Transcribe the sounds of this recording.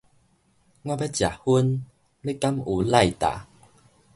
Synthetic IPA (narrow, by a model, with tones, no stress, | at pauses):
ŋwã˥˧ba˦t͡ɕja̰˨hu˦n | le˦ka˦˥mu˨˦la˥˧˨jt̪a̰˨